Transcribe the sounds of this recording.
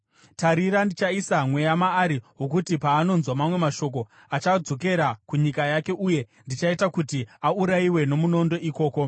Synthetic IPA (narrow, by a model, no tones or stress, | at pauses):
taɾiɾandit͡ʃaisamwe̞jamaːɾiɦo̞kutipaːno̞nzwamamwe̞maʃo̞k̬o̞ | at͡ʃad͡zo̞ke̞ɾakuɲikajake̞ʔuje̞ | ndit͡ʃaitakutiauɾaiwe̞no̞muno̞ndo̞iko̞ːko̞